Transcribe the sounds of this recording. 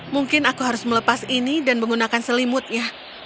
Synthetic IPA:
muŋkɪnakuɦaɾʊsmələpasinidanməŋɡunakansəlimʊt̪̚ɲa

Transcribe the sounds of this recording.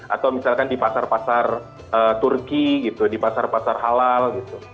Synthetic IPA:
ʔa̰t̪awmisalkandipasarpasar | ət̪urkiɡit̪udipasarpasarɦalalɡit̪u

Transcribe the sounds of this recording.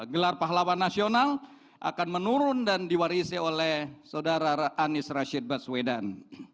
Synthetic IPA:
ɡəlarpaɦlawanːasional | ʔa̰kanmənuɾʊndandiwaɾisiolɛhsawdaɾaaʔanɪsraʃid̚baswedan

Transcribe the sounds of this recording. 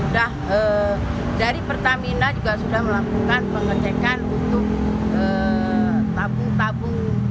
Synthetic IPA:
udahə | daɾipərt̪aminad͡ʒuɡasudahməlakukanpəŋət͡ʃekanunt̪ʊk̚əː | t̪abʊŋt̪abʊŋ

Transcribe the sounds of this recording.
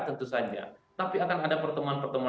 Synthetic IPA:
t̪ənt̪usad͡ʒa̰t̪apiakanadapərt̪əmuanpərt̪əmu

